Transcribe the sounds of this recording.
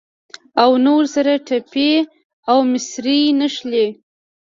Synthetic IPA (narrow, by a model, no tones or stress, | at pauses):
awnoɾsaɾaʈape | awmɪsɾinəʃle